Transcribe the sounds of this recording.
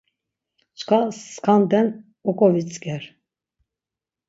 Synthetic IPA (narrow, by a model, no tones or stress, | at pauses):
t͡ʃkʰaskʰand̪ɛn | ɔkʼɔvit͡sʼɡɛɾ